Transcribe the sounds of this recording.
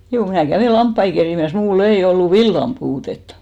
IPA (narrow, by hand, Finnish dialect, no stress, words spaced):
juː mnæˑ kæʋeˑ lɑmpːɑi keriˑmæs muːlː ei olːu ʋilːɑm puːtetːɑ